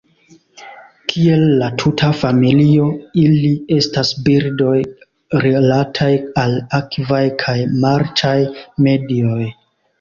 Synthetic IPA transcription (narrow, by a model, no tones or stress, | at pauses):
kʰie̞lːatʰutʰafamilio̞ilie̞stasbiɾdo̞j | ɾilatʰajalakvajkʰajmaɾt͡ʃajme̞dio̞j